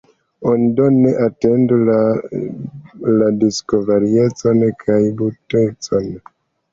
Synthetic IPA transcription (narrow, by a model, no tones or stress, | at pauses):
onidoneʔate̞ndula | ladiskovaɾie̞t͡so̞nkʰajbutet͡so̞n